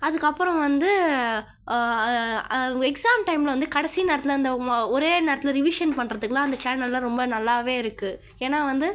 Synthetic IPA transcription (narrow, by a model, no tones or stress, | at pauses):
ɐðɯkːɐpːɯɾɔ̃ʋɐnd̪ɯ | ɛksaːmʈɐɪmlʋɐnd̪ɯkɐɽɐsineːɾɐt̪ːɪlɐnd̪ɐɔɾeːneːɾɐt̪ːɪlɐɾɪʋiːʂɐnpɐɳːɾɐðɯkːlãːɐnd̪ɐt͡ʃaːnɐlːɐ̃ɾɔmbɐnɐlːaːʋeːɪɾɯkːɯ | eːnːaːʋɐnd̪ɯ